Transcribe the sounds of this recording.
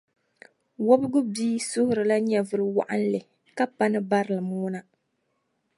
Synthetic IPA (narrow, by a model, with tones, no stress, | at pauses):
wɔ˦bɨ˦ɡʊ˦biː˦sʊ˦hʊ˦ɾɨ˨la˦ɲɛ˨vɨ˦ɾɨ˦wa̰˦ʔa˦n̩˦lɨ˨ | ka˦pa˦nɨ˦ba˦ɾɨ˨lɨ˨muː˦na˦